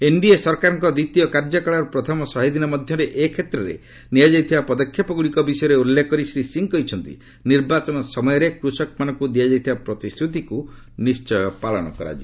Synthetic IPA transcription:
eɳɖiesɔɾkaɾɔŋkɔd̪it̪ijɔkaɾd͡ʒɔkaɭaɾpɾɔt̪ʰɔmɔsɔɦid̪inɔmɔd̪ʱjɔɾeʔekʰet̪ɾɔɾḛ | nijad͡ʒajt̪ʰibapɔd̪ɔkʰːjapɔɡuɭikɔbisɔjɔɾeulːekɔɾisɾisiŋkɔɦjt͡ʃʰɔnt̪ḭ | niɾbat͡ʃɔnɔsɔmɔjɔɾekɾusɔk̚manɔŋkud̪iad͡ʒajt̪ʰibapɾɔt̪ist̪ʰut̪iku | nist͡ʃɔjɔpaɭɔɽ̃ɔ̰kɔɾa̰d͡ʒḭ

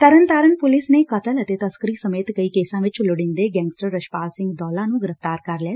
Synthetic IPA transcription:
t̪əɾənt̪aːɾənpʊlɪsneːkət̪ələt̪eːt̪əskəɾiːsəmeːt̪kəiːkeːsãːʋɪt͡ʃlʊɽɪ̃nd̪eːɡɛ̃ːŋɡsʈəɾːəʃpaːlsɪ̃ŋɡd̪ɔːlãːnũːɡɪɾəft̪aːɾkəɾlɛː

